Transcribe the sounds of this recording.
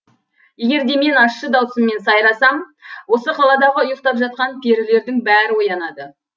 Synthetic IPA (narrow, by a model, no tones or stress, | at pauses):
je̞ɡʲe̞ɾd̪e̞me̞nɑʃːəd̪ɑwsəmːe̞nsɑjɾɑsɑm | wo̞səqʰɑlˠɑd̪ɑʁəʊjəq̚t̪ɑpʒɑt̪̚qɑnpʰeɾɪle̞ɾd̪ɪŋbæɾɪwo̞jɑnɑd̪ə